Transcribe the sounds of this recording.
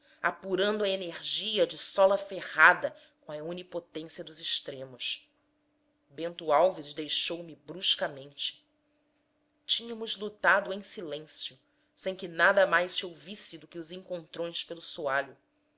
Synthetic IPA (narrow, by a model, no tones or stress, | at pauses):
apuɾɐ̃nd̪ʊɐeneɾʒiɐd͡ʒɪsɔlɐfehad̪ɐ | kõɐunipot̪ẽsiɐd̪ʊzɪʃt̪ɾẽmʊʃ | bẽnt̪uawvizd̪ejʃowmɪbɾuʃkɐmẽnt͡ʃɪ̥ | t͡ʃĩɲɐmʊzlut̪ad̪ʊẽsilẽsjʊ | sẽj̃kɪnad̪ɐmajʃsɪowvisɪd̪ʊkɪʊzẽŋkõnt̪ɾõj̃spelʊsuaʎʊ